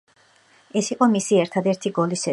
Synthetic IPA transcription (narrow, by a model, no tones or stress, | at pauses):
ɛsiqʼɔmisiɛɾt̪ʰad̪ɛɾt̪ʰiɡɔlisɛ